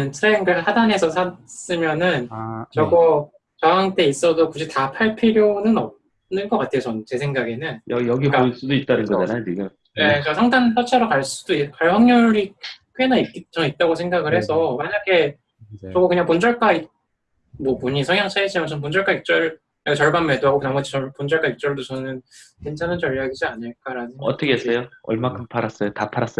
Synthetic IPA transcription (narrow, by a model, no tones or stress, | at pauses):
ntʰɯɾeŋɡɯɭhadanɦesʰʌsʰas͈ɯmjʌnɯnt͡ɕʌɡʌ | t͡ɕʌɦaŋt͈e̞is͈ʌdokud͡ʑʰitapʰaɭpʰiɾjonɯnʌ | nɯnɡʌk͈atʰe̞jot͡ɕʌnt͡ɕe̞sʰe̞ŋɡaɡe̞nɯnjʌjʌɡik͈as͈udoit̚t͈anɯnɡʌdanamiɡɯm | e̞kasʰaŋdanpʰjʌt͡ɕʰaɾokaɭs͈ud̥oikaɭhaŋɲuɾikʰɥenaik͈it͡ɕ͈ʌŋit̚t͈aɡosʰe̞ŋɡaɡɯɭhe̞sʰʌmaɲaɡe̞ | t͡ɕʌɡʌkɯɲaŋpond͡ʑʌɭk͈ai | mwʌpoɲisʰʌŋjaŋt͡ɕʰaiɕʰimt͡ɕʰʌnp̬ond͡ʑʌɭk͈aik̚t͡ɕ͈ʌɭ | aɡot͡ɕʌɭbanme̞doɦaɡokɯnamʌd͡ʑit͡ɕʌpond͡ʑʌɭk͈aik̚t͡ɕ͈ʌɭdot͡ɕʌnɯnkent͡ɕʰanɯnt͡ɕʌʎjaɡid͡ʑiaɲɯɭk͈aɾanɯʌt͈ʰʌkʰeesejoʌ̰ɭmakʰɯmpʰaɾas͈ʌjotapʰaɾas͈ʌ